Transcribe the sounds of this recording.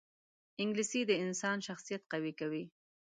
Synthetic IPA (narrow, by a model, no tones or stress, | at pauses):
ɪŋɡlisid̪əɪnsɑnʃaxsijat̪̚qawikawi